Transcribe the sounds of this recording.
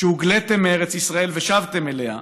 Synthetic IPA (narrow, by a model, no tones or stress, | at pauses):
ʃeuɡlet̪emeeʁet͡sisʁae̞lveʃavt̪emeleha̰